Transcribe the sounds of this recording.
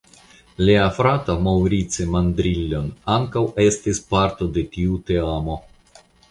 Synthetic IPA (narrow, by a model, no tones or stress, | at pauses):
leafɾatamawɾit͡semand̪ɾilʲːo̞naŋkawe̞stispaɾt̪o̞de̞tiute̞amo̞